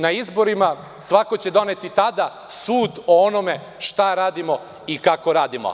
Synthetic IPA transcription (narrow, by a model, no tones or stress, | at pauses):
naizbo̞ɾima | sʋako̞t͡ɕe̞d̪o̞ne̞t̪it̪ad̪a | suːd̪oonome̞ | ʃt̪aɾaːd̪imo̞ | ikako̞ɾaːd̪imo̰